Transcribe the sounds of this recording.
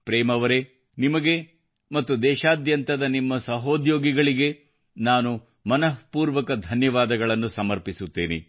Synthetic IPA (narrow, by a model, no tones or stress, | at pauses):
pɾeːmɐʋɐɾe̞ | nimɐɡe̞ | mɐt̪ːud̪ɛːʃaːd̪jɐnt̪ɐd̪ɐnimːɐsɐɦoːd̪joːɡiɡɐɭiɡe̞ | naːnu | mɐnɐɦpuːɾʋɐkɐd̪ʱɐnjɐʋaːd̪ɐɡɐɭɐnːusɐmɐɾpisut̪ːeːnḭ